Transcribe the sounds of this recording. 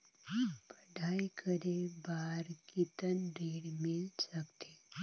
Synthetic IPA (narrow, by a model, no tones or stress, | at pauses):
pəɖʱajkʰəɾebaɾkit̪ənɖeɽmilsəkt̪e